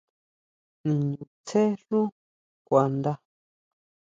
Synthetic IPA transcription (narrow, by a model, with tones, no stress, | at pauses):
nĩ˨ɲũ˨t͡se˦ɬũ˦ | kʷa˨nd̪a˦